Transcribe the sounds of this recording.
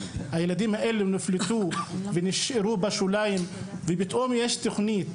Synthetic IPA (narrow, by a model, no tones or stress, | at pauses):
hajelad̪imhaʔeluniflet̪uveniʃeɾubaʃulajimvebit̪ʔomjeʃt̪oχnit̪